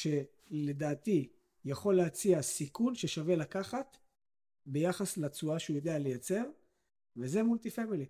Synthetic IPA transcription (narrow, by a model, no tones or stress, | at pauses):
ʃe̞ | le̞d̪aːt̪i | jaχo̞lːeat͡siasikunʃe̞ʃave̞lakaχat̪ | be̞jaχaslat͡suaʃeujo̞d̪e̞ale̞jat͡se̞ʁ | veze̞mult̪ifemili